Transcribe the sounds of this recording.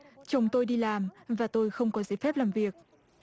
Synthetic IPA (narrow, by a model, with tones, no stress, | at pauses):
t͡ɕə˨˦wŋ͡mt̪o˧jɗi˧laː˨˩mvaː˨˩t̪o˧jxə˧wŋ͡mkɔ˨˦zə˨˦jfɛ˦˥p̚laː˨˩mvi˨˩ək̚